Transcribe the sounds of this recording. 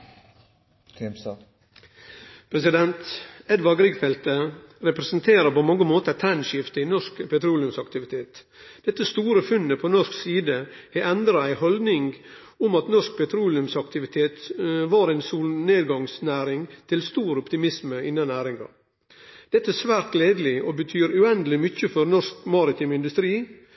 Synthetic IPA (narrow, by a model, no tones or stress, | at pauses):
pʰɾɛsɪd̪ɛnt̪ɛd̪ʋɑɡɾiːkfɛlt̪əɾɛpɾɛsnt̪ʰeːɾəpɔmɑŋːəmoːt̪ət̪ʰɾɛnʃɪft̪əɪnɔʂkpʰɛt̪ɾuːlɪʉmsɑkt̪ɪʋɪt̪ʰeːt̪ | d̪̥ɛt̪ːəst̪uːɾəfʉnːəpʰɔnɔʂksiːd̪əheʔɛnd̪ɾɑæɪhɔld̪nɪŋɡ | ʊmɑt̪nɔʂk̚pʰɛt̪ʰɾuːlɪʉmsɑkt̪ɪʋɪt̪ʰeːt̪ʋɑːɾæɪnsuːlneːd̪ɡɑŋsnæːɾɪŋt̪ʰɪlst̪uːɾəɔpt̪ɪmɪsməɪnːɑnæːɾɪŋɑ̰ | d̪̥ɛt̪ːəæsʋæːɾt̪ɡleːd̪əl̩ɪʔoːbət̪ʰyːɾʉɛnd̪əlɪmʏçəfɔɾnɔʂkmɑɾɪt̪ʰɪmɪnd̪ʉst̪ɾiː